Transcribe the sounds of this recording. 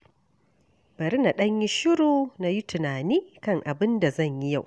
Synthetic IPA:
b̥ɐ˨ɾi˦na˨ɗɐ˦ɲji˦ʃɪ˦ɽoː˨na˨ji˦tʰɪ˨naː˨niː˦kɐ˦˨ŋʔa˨bɪ˦nda˨zɐ˦˨ɲji˦ja˦˨wʔ

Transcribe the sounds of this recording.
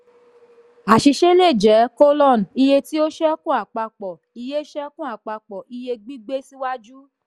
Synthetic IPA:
a˨ʃi˧ʃe˦le˦˨d͡ʒɛ˨˦ko˦lɔ˦˨n˨i˧je˧ti˦o˦ʃɛ˦kũ˦a˨k͡pa˧k͡pɔ˨ | i˧je˦ʃɛ˦kũ˦a˦˨k͡pa˧k͡pɔ˨ʔi˧je˧ɡ͡bi˦ɡ͡be˦si˦wa˦d͡ʒu˦

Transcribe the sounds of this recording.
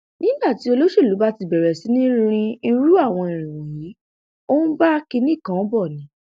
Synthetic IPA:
nĩ˦ba˦˨ti˦o˧lo˦ʃe˦˨lu˨˦ba˦ti˧bɛ˨ɾɛ˨si˨˦nĩ˦ɾ̃ĩ˧i˧ɾu˦a˦˨w̃ɔ̃˧i˨ɾ̃ĩ˨w̃ɔ̃˨ji˨˦ | o˦nũ˦ba˦ki˧nĩ˦˨kã˨˦bɔ˦˨nĩ˨˦

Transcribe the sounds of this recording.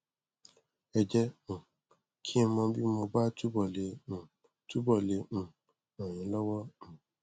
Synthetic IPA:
ɛ˨d͡ʒɛ˦m̩˨ | kʰĩ˦mɔ̃˧˦bi˦mɔ˧ba˦tu˦bɔ˨le˨ | tu˦bɔ˦˨le˨ | ɔ˨ɲĩ˨˦lɔ˦wɔ˦m̩˨

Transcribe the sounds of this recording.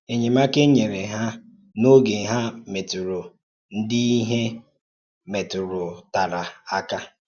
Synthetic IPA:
e˨ɲe˨ma˦ke˦ɲe˨ɾe˨ɦa˦ | no˦ɡe˨ɦa˦me˨tʊ˨ɾʊ˨ | n̩˦di˦i˦ɦe˦ | me˨tʊ˨ɾʊ˨ta˨ɾa˨a˦ka˦

